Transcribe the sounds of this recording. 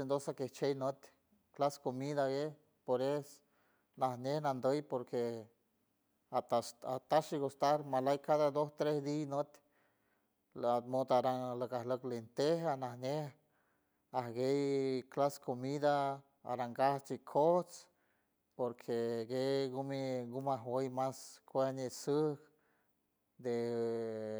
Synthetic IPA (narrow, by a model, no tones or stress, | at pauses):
end̪osakeht͡ʃejnot̪ | klaskomid̪aɡe | poɾes | nahnehnand̪əjpoɾkʰe | aaat̪aʃiɡost̪aɾmalajkaðad̪ost̪ɾesd̪inot̪ | mot̪aɾaŋləkahləklint̪ehanahneh | ahɡejklaskomid̪a | a̰ɾaŋɡaht͡ʃikʰoht͡s | poɾkʰeɡeɡumiɡumaɦwəjmaskʷenesək | d̪e